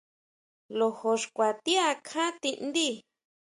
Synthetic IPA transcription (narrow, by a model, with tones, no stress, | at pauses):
lo˧ho˧ʂkʷa˨t̪i˦a˧kʰã˦t̪ĩ˧ʔnd̪i˦